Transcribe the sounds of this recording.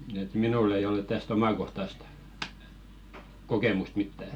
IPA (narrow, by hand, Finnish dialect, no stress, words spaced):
et minuˑlː ei olĕt̆ tæst omɑˑkohtɑst kokeˑmust mitːæ